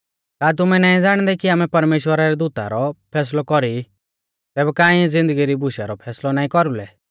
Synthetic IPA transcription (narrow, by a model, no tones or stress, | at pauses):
kaːt̪̬ʊmɛnaːĩd͡zaːɽ̃d̪ɛkiaːmɛpɐɾmeːʃwəɾaɾɛd̪ut̪a̰ɾɔpʰɛːs̬lɔkɔɾi | t̪ɛːbɛkaːĩzɪ̃nd̪əɡiɾibʊʃa̰ɾɔpʰɛːslɔnaːĩkɔɾulɛ